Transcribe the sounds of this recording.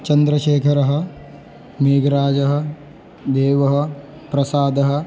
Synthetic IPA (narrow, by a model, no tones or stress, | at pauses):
t͡ʃɐnd̪ɾɐʃeːkʰɐɾɐɦɐ̆ | meːɡɾaːd͡ʒɐɦɐ̆ | d̪eːʋɐɦɐ̆ | pɾɐsaːd̪ɐɦɐ̆